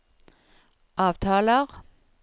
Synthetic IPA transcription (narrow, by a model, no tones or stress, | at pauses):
ʔɑːʋt̪ʰɑːləʁ